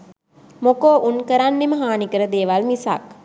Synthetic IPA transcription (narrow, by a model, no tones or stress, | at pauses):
mokoːʔunkəɾanːeməɦaːnikəɾəd̪eːʋalmisa̰k